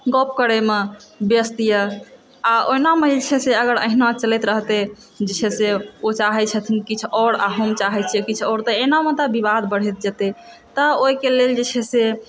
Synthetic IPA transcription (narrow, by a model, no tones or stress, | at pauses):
ɡɔp̚kəɾemebjəst̪ijə | aoinaməɦilt͡ʃʰɛseəɡəɾə̰ɦinat͡ʃəlɛt̪ɾəɦt̪e | d͡ʒet͡ʃʰɛseot͡ʃaɦɛt͡ʃʰət̪ʰinkit͡ʃʰɔɾa̰ɦomt͡ʃaɦɛt̪t͡ʃʰekit͡ʃʰɔɾt̪əenamet̪əbibad̪bəɽ̤ɛt̪̚d͡ʒət̪e | t̪əoikeleld͡ʒet͡ʃʰɛse